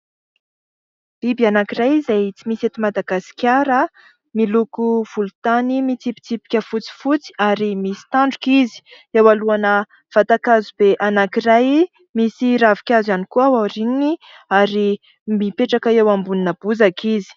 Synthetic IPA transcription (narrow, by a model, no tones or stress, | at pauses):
l̥ibianakirajzajt͡simiset̪imad̪aɡasi̥kʲaɾə | milukuv̥ulut̪animit͡sipi̥t͡sipi̥kʲəfut͡si̥fut͡si̥aɾimisi̥t̪aɳɖ͡ʐukizi̥ | ewaluanə | v̥at̪akazubeʔanakiraj | misiɾavikʲazanikuawaɾinini | aɾi | mipeʈ͡ʂakaewambuninəb̥uzakizi̥